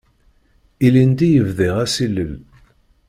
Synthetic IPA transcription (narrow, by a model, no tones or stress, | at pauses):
ilind̪ijəvðiʁæsilːəl